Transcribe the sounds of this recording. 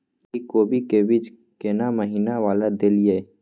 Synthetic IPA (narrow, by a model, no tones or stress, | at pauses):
kikoːbikeːbɪd͡ʒ | keːnaməɦiːnaʋaːlad̪eːlije